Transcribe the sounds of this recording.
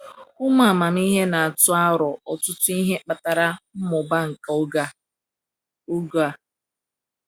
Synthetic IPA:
ʊ˦ma˨a˨ma˨n˦i˦ɦe˦na˨a˨tʊ˦a˦ɾɔ˨ɔ˨tʊ˦tʊ˦i˦ɦe˦k͡pa˨ta˨ɾa˦m̩˦mʊ˨ba˦ŋ̩˨ka˨ʊ˦ɡa˦ | ʊ˦ɡa˨

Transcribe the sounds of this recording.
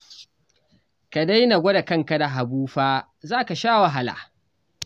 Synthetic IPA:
ka˨da˦jna˨ɡʷɔ˦da˨kɐ˦ŋka˨da˨ɦa˨buː˦ɸaː˦ | zaː˦ka˨ʃaː˦wa˨ɦa˨la̰ː˨

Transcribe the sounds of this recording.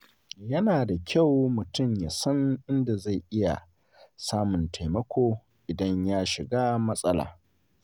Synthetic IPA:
jɐ˦naː˨da˨kʲʰa˦˨wmʊ˨tʊ˦˨mjaː˨sɐ˦nʔɪ˦nda˨za˦˨jʔɪ˦ja̰˨ | saː˦mʊ˨ntʰa˨jmɐ˦kʷʰoː˦ | ʔɪ˨dɐ˦ɲjaː˦ʃɪ˨ɡaː˦mɐ˦sʼɐ˦la̰ː˨

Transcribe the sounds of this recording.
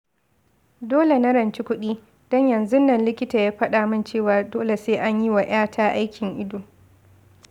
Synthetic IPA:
doː˦le˨na˦ɾɐ˨nt͡ʃi˦kʷʊ˦ɗiː˦ | dɔ˦ɲjɐ˨nzʊ˦nːɐ˨nlɪ˦kʲɪ˦taː˨jaː˦ɸɐ˦ɗaː˨mɐ˦˨nt͡ʃeː˦˨waː˨doː˦le˨seː˦ʔa˦ɲji˦wa˨ʔj̰aː˦tʰaː˦ʔa˦jkʲɪ˨ŋʔɪ˦doː˨

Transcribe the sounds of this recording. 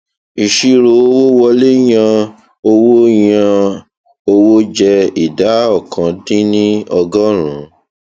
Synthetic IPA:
i˨ʃi˧ɾo˧˦o˧wo˦wɔ˧le˦j̃ã˧ | o˧wo˦jã˧ | o˧wo˦d͡ʒɛ˧i˨da˨˦ɔ˦˨kã˨˦dĩ˦nĩ˦ɔ˧ɡɔ˦ɾ̃ũ˨˦

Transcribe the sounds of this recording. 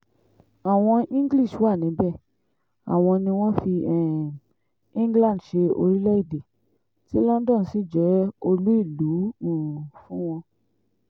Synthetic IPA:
a˨w̃ɔ̃˧ĩ˦ɡli˦˨ʃwa˦˨nĩ˨˦bɛ˦˨ | a̰˨w̃ɔ̃˧nĩ˧w̃ɔ̃˦fi˧ɛ˦˨ | ĩ˦ɡlã˦˨dʃe˧o˧ɾi˦lɛ˦i˦˨de˨ | ti˦lɔ̃˦n˦dɔ̃˦˨n̩˨si˦˨d͡ʒɛ˨˦o˧lu˦i˦˨lu˨˦ũ˨fũ˦w̃ɔ̃˧

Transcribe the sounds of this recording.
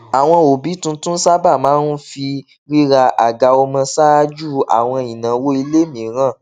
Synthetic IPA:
a˨w̃ɔ̃˧o˨bi˨˦tũ˧tũ˦sa˦ba˦˨mãː˨˦nu˦fi˧ | ɾi˦ɾa˧ʔa˨ɡa˧o˧mã˧sa˦d͡ʒu˦˨a̰˨w̃ɔ̃˧i˨nã˨wo˦i˧le˦mĩ˨˦ɾ̃ã˦˨

